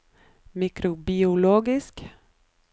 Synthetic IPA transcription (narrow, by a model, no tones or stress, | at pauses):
mikɾʊbɪʊloːɡɪsk